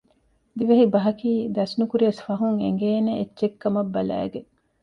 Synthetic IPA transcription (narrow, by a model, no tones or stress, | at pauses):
d̪iʋɐɦibɐɦɐkiːd̪ɐsnukuɾiɐsfɐɦuŋḛŋɡeːneet͡ʃːt͡ʃekːɐmɐbːɐlæ̰ːɡeŋ